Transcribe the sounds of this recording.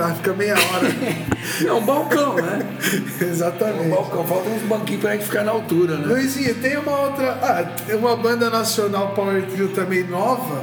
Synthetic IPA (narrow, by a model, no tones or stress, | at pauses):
afi̥kɐmejɐɔɾɐ | ɛũbawkɐ̃w̃nɛ | ezat̪ɐmẽbawkɐ̃w̃fawt̪ɐ̃ũzbɐ̃kĩpɾɐẽfi̥kaɾnɐaawt̪uɾɐnɛpojsĩɐt̪ẽj̃ũmɐowt̪ɾɐʔa | ũmɐbɐ̃nd̪ɐnasionawpaweɾt̪viwt̪ɐ̃mẽj̃nɔvɐ